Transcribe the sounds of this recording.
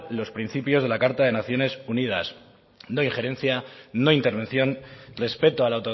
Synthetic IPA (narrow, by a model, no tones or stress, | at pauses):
lo̞spɾin̟θipjo̞zð̞e̞lakaɾt̪aðe̞naθjo̞ne̞suniða̰s | no̞ĩŋχe̞ɾe̞n̟θjano̞int̪e̞ɾβ̞ẽ̞nθjo̞nre̞spe̞t̪oalawt̪o